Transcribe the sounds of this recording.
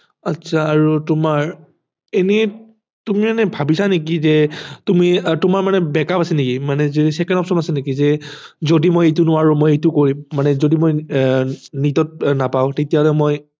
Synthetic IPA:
atsʰaːɹutʊmaɹ | enɛ | tumimanɛbʱabisanek̬izɛtʊmitʊmaɹmanɛbɛkapasɛnekimanɛzesɛkɛnɔpsɔmasɛnekizɛzodimojet̬unʊwaɹumojejtʊkoɹimːanɛzodimoj | nitɔt̚napaʊ̃tetijaɦɔlɛmoj

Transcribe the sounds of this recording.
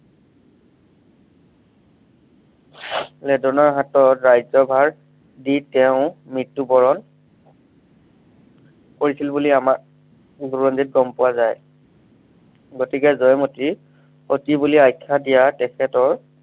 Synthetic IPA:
lɛdɔnɔɹɦatɔtɹajzɔbʱaɹ | ditɛʊ̃mɹitːubɔɹɔn | koɹisilbuliama | ɡuɹɔndit̚ɡɔmpʊwazaj | ɡotikɛzɔjmoti | otibuliajkʰːadijatɛkʰɛtɔɹ

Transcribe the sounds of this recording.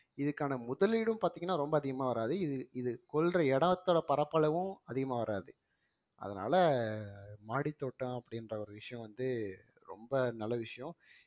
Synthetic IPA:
ɪðɯkːaːnɐmʊðɐlɪɽɯmpaːɾt̪iːŋɡɐnːaːɾɔmbɐːðɪɣɐmaːʋɐɾaːðɯɪðɯɪðɯkɔlrɐɛɽɐɐt̪ːoːɽɐpɐɾɐpːɐɭɐʋɯ̃ɐðɪɣɐmaːʋɐɾaːðɯ | ʔɐ̰ðɐna̰ːlɐ | maːɽit̪ːoːʈːɐ̃ɐpːɐɽɪnrɐɔɾɯʋɪʂɐjɔ̃ʋɐnd̪ɯ | ɾɔ̰mbɐnɐlːɐʋɪʂɐjɔ̃

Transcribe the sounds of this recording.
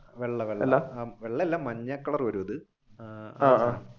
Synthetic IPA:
ʋeɭːɐʋeɭːlːaʋeɭːɐelːaːmɐɲːɐkːɐɭɐrʋɐɾuɐðɨ | aːa

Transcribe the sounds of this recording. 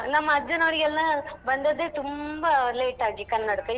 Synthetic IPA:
nɐmːɐːd͡ʒːɐnoːɾɪjɐllãːʋɐnd̪ɐðɯt̪ʊmbɐleːʈːaːɡikɐnnɐɽɯkːɯ̃

